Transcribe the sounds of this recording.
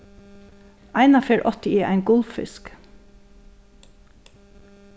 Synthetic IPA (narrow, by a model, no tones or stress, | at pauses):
ʔæɪnɑfeːɹʔɔt̪ɪiːʔæ̰ɪnɡʊlffɪ̰sk